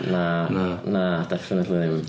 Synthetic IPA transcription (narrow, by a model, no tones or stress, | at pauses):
nanad̥ɛfɪnətʰliðɪm